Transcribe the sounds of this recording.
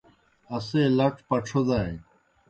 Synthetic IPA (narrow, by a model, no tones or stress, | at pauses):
ɐseːlɐʈpɐʈ͡ʂʰod̪aːe